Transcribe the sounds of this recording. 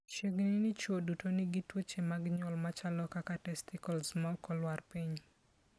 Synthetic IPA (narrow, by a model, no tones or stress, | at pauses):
t͡ʃeɡnɪnɪt͡ʃwodutonɪɡɪtwot͡ʃemaɡɲɔlmat͡ʃalɔkakatɛstɪkɔlsmaɔkɔlwarpiɲ